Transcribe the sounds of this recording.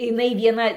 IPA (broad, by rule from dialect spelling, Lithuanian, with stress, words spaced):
ɪˈnɐɪ ʋʲiɛˈnɐ